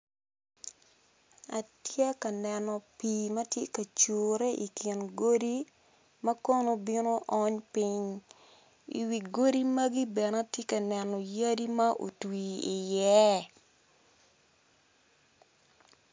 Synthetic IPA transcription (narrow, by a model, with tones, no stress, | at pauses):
a˨tjɛ˦kɐ˨nɛ˨nɔ˨pi˨mɐ˦tje˦kɐ˨t͡ʃoːɾe˦ʔi˨kɪ˨nɡo˦di˦ | mɐ˦ko˦no˦bi˦no˦ʔɔ˦ɲpi˦ɲ | ḭ˨wi˨ɡo˦di˦mɐ˦ɡi˦bɛ˨na˦tje˦kɐ˨nɛ˨nɔ˨ja˦di˦ma˦ʔo̰˨twi˨i˨jɛ˦